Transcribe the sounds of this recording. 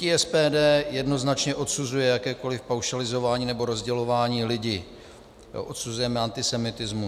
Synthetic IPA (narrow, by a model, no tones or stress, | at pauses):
iɛspɛːdɛːjɛdno̞znat͡ʃɲɛʔo̞t̪suzujɛjakɛːko̞lɪfpawʃalɪzo̞vaːɲiːnɛboɾo̞zɟɛlo̞vaːɲiːlɪɟɪ̰ | ʔot̪suzujɛmɛant̪ɪsɛmɪt̪ɪzmu